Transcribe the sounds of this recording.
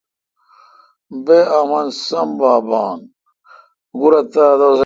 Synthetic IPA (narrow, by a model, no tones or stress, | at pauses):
beamɐnsɐmbaːbaːn | ɡuɾɐt̪aːd̪os